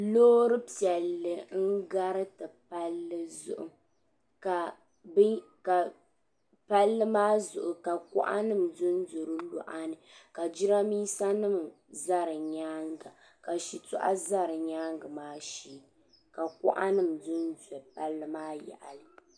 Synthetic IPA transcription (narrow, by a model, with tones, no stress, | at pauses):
loː˦ɾɨ˦pi˨ɛ˨lːɨ˨ŋ̩˦ɡa˦ɾɨ˦tɨ˨pa˦lːɨ˦zʊ̰˦ʔʊ̰˨ | ka˨ | b | ka˨ | pa˦lːɨ˦maː˦zʊ˨ʔʊ˨ka˨kɔ̰˦ʔa̰˦nɨ˦˨m˨dʊ˦n˦dʊ˨ɾɨ˦lɔ̰˦ʔa˦nɨ˨ka˨d͡ʒi˦ɾa˦miː˦sa˦nɨ˦˨m | za˦ɾɨ˨ɲaː˦ŋɡa˨ | ka˨ʃi˨tʊ˦ʔa̰˦za˦ɾɨ˨ɲaː˦ŋɡɨ˨maː˦ʃiː˨ | ka˨kɔ̰˦ʔa˦nɨ˦m˨dɨ˦ndɛ˨pa˦lːɨ˦maː˦jɛ̰˨ʔa̰˨lɨ˨